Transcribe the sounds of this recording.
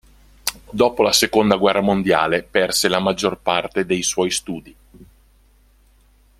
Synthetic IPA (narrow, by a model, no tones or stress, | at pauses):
d̪ɔːpolasekond̪aɡwɛrːamond̪ja̰ːlepɛrselamad͡ʒːorpart̪ed̪ejswɔjst̪uːd̪i